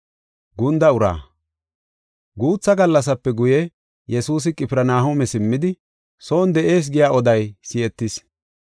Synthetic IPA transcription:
ɡʊnd̪ɐʊɾa̰ː | ɡuːt͡sːɐɡɐlːɐs̬ɐpːɛɡʊjɛ | jɛsuːs̬ɪkʼɪpɪɾɐnaːɦomɛsɪmːɪd̪ɪ | soːnd̪ɛʔe̞ːs̬ɡɪjaːɔd̪ɐjsɪɛt̪ːɪs

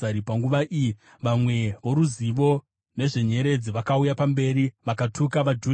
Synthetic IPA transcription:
aipaŋɡuʋaʔiji | ʋamwe̞ʋo̞ɾuziʋo̞ | ne̞ʐe̞ɲe̞ɾe̞d͡ziʋakaujapambe̞ːɾiʋakatʰukaʋad͡ʒu

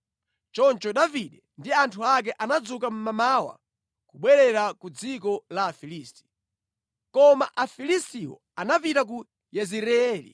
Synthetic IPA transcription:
t͡ʃɔnt͡ʃɔɗaviɗɛndiantʰuak̬ɛʔanad͡zukam̩mamawa̰ | kuɓwɛɾɛɾakud͡zikɔlaːfilisti̥ | kɔmaʔafilistiwɔ̰ | anapitak̬u | jɛziɾɛɛːlḭ

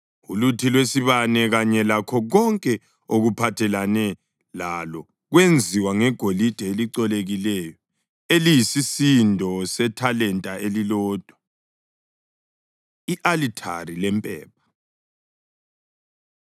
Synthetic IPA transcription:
ulutʰilwesiβanɛɣaɲɛlakʰɔɣɔŋkʼɛ | oɣupʰatʰɛlanɛ | lalɔ | ɣwend͡zʱiwaŋɛɡ̥ʱolid̥ʱɛeliǀɔleɣilɛjɔ | elijisisindʱɔsɛtʰalɛntʼaʔelilɔːd̥ʱwa | iʔalitʰa̰rilɛmpʼɛ̰ːp̚ʰḁ

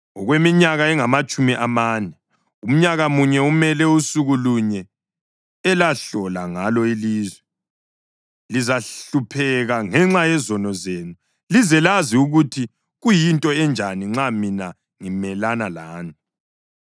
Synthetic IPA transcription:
ɔɣwemiɲaɣaɛŋamat͡ʃʼumiʔamaːnɛ | um̩ɲaɣamuɲɛumɛlɛusuɣuluɲɛ | ɛlaɬɔlaŋalɔiliːzwɛ | lizaɬupʰɛɣaŋɛŋ͡ǁajɛzɔnɔzenu | lizɛlaziuɣutʰi | ɣujintʼɔɛnd͡ʒʱaniŋ͡ǁamina | ŋimɛlanalaːni

